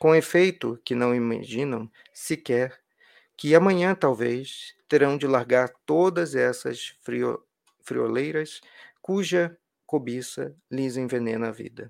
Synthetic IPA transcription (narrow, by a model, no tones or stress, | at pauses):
kõefejt̪ʊkɪnɐ̃w̃ima̰ʒĩnɐ̃w̃ | sɪkɛɾ | kɪamɐ̃ɲɐ̃t̪awvest̪eɾɐ̃w̃d͡ʒɪlaɾɡaɾt̪od̪ɐzɛsɐ̰sɾio | fɾḭo̰lejɾɐskuʒɐ | kobisɐlizẽj̃venẽnɐvḭd̪ɐ